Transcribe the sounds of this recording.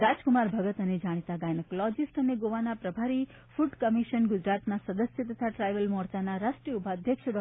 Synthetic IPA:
ɾad͡ʒkumaɾbʱəɡət̪əned͡ʒaɽ̃et̪aɡajneklɔd͡ʒisʈəneɡoʋanapɾəbʱaɾi | fʰuʈkəmiʃənɡud͡ʒɾat̪nasəd̪əsjət̪ət̪ʰaʈɾajʋəlmɔɾt͡ʃanaɾaʃʈɾijubʱaːd̪ʱjəkʂʰəɖɔ

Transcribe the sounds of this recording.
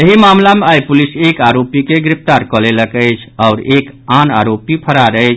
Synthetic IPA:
jeɦimamlameajpulisekaɾopikeɡɾip̚ʰt̪aɾkɔleləkəɪt͡ʃʰaʊɾekana̰ɾopipʰəɾaɾət͡ʃʰ

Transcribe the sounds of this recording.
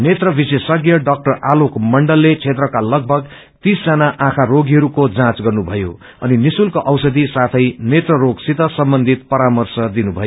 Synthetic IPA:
net̪rʌbisesʌɡjʌɖʌk̚ʈʌrʔalokmʌɳɖʌlːet͡sʰet̪rʌkalʌɡ̚bʱʌɡ | t̪isd͡zanaʔãkʰaɾoɡiɦʌɾukod͡zãt͡sɡʌrnubʱʌjo̰ | ʌ̰ninisulkoʔʌwsʌd̪isat̪ʰʌjnet̪rʌɾoɡsit̪ʌsʌmbʌnd̪ʱit̪̚pʌɾamʌrsʌd̪inubʱʌjo

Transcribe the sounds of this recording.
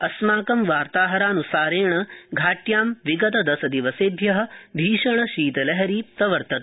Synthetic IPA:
ɐsmaːkɐmʋaːɾt̪aːɦɐɾaːnusaːɾeːɳɐɡʱaːʈjaːmʋiɡɐt̪ɐd̪ɐsɐd̪iʋɐseːb̪ʱjɐɦɐ̆b̪ʱiːʃɐɳɐʃiːt̪ɐlɐɦɐɾiːp̚t̪ɐʋɐɾt̪ɐt̪

